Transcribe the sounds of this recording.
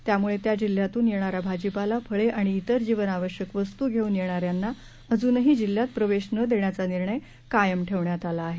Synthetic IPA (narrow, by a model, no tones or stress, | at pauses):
t̪jamuɭet̪jad͡ʑil̤jat̪uːnjeɽ̃aɾabʱad͡ʑipalapʰəɭeʔaɽ̃iːt̪əɾd͡ʑiʋənaʋəɕjəkʋəst̪uːɡʱeuːnjeɽ̃aɾjanːa | əd͡zuːnəɦiːd͡ʑil̤ːjat̪̚pɾəʋeɕnəd̪eɳjat͡saniɾɳəj | kajəmʈʰeʋɳjat̪alaːɦe